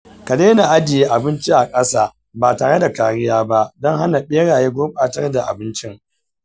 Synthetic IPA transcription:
kɐ˨deː˦na˨ʔa˦d͡ʒɪ˨jeː˦ʔa˨bɪ˦nt͡ʃi˦ʔa˨kʼɐ˦saː˦ | baː˨taː˨ɽe˦da˨kaː˨ɽɪ˦jaː˦ba˦ʔdɔ˦ŋɦa˦na˨ɓeː˦ɽaː˨jeː˦ɡʷoː˦ɓʼaː˦tɐ˦rda˨ʔa̰˨bɪ˦nt͡ʃɪ˦ŋ

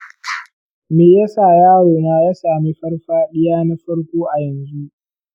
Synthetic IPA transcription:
meː˨jɐ˦saː˨jaː˦ɽoː˨naː˦jaː˦saː˨miː˦ɸɐ˦rɸaː˦ɗɪ˦jaː˦na˦ɸɐ˦ɽkʷoː˦ʔa˨jɐ˨nzu˦ʔ

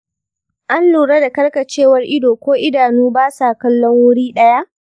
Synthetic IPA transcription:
ʔa˦nluː˨ɽɐ˦da˨kɐ˦rkɐ˨t͡ʃeː˦wɐ˦rʔɪ˦doː˨kʷoː˦ʔɪ˦daː˨nuː˦baː˦sa˨kɐ˦lːɔ˦ŋwʊ˦ɽiː˦ɗɐ˦ja˦ʔ

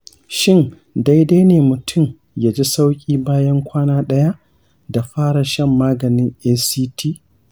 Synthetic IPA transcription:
ʃɪ˦˨n | da˦jda˦jneː˨mʊ˨tʰʊ˦˨m | jaː˨d͡ʒi˦sa˦wkʲʼiː˦baː˦jɐ˦ŋkʷaː˦naː˦ɗɐ˦ja˦ʔ | da˨ɸaː˦ɽa˨ʃɐ˦˨mːaː˦ɡɐ˨nɪ˦ŋʔeː˦siː˦tʰiː˦˨

